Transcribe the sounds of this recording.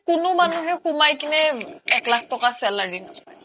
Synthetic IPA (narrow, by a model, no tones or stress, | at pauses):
kʊnʊmanuɦɛkumajkinɛɛklakʰtɔkasɛladin